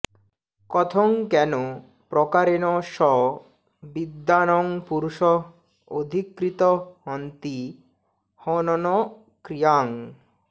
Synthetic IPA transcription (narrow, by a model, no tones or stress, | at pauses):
kɔt̪ʰoŋkɛno | pɾɔkaɾenɔʃɔ | bid̪ːanɔŋpuɾuʃɔ | od̪ʱikɾit̪ohɔnt̪i | hɔnɔnɔ | kɾijaŋ